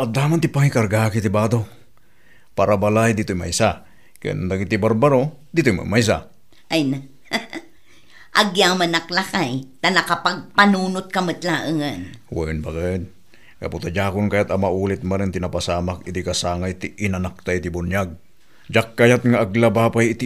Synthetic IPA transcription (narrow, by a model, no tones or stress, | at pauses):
ʔad̪amant̪ɪpaŋikaɾɡakit̪ibaːd̪o | paɾabalajd̪it̪ojma̰jsa | ka̰a̰na̰nd̪aɡid̪̚t̪ibaɾbaɾo | d̪it̪ojma̰majs̬a̰ | ʔajna | ʔaɡjamanaklakajt̪anɐkapaɡ̚panuːnʊt̪̚kɐmɨt̪laːʔɨŋanwanbakːd̪ | ka̰put̪ad͡ʒaːkʊnkajat̪amaʔuːlɪt̪̚manaŋt̪inapasaːmakit̪ikasaːŋajt̪iʔːnanak̚t̪ajt̪ibʊnjaɡ̚ | d͡ʒakːajat̪ŋaaɡlabapajɪt̪i